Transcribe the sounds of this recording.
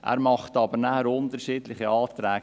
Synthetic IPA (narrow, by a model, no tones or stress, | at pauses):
ʔæ̰ːɾmɑχtɑːbəɾnæːəɾʊntəɾʃiːdlɪχəɑːtɾæːɡ